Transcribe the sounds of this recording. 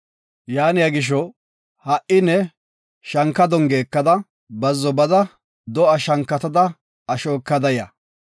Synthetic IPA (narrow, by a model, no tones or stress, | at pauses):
jaːnɪjɐɡɪʃ̬ɔ | hɐʔɪnːɛ | ʃɐŋkːɐd̪ɔŋɡeːkːɐd̪ɐ | bɐzːɔbɐd̪ɐ | d̪ɔɐʃɐŋkːɐt̪ɐd̪ɐ | ɐʃoːkːɐd̪ɐjɐ